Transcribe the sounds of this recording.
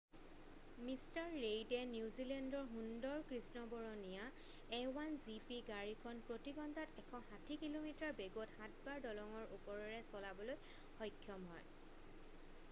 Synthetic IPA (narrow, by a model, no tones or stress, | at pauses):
mistaɹːejdɛnjuzilɛndɔɹɦundɔɹkɹisnɔbɔɹɔnija | ɛwanzipiɡaɹikʰɔnpɹotiɡɔndatɛkʰɔhatʰikilomitaɹbeɡothãtbaɹdɔlɔŋɔɹʔupɔɹɔɹɛsɔlabɔloj | xɔjkʰːjɔmɦɔ̰j